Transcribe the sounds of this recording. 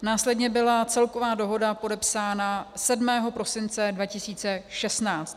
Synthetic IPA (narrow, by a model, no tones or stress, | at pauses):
naːslɛdɲɛbɪlat͡sɛlkovaːdo̞ɦo̞dapo̞dɛpsaːnasɛdmɛːɦo̞pɾo̞sɪnt͡sɛdvacɪsiːt͡sɛʃɛstnaːt͡st̪